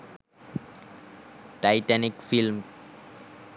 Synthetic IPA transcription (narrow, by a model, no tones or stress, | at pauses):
ʈajʈanikfilm